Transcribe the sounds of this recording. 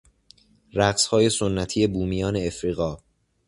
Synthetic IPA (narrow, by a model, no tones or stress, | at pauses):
ræɢshɒːje̞sonːæt̪ʰiːje̞buːmijɒːne̞ːfɾiːɣɒː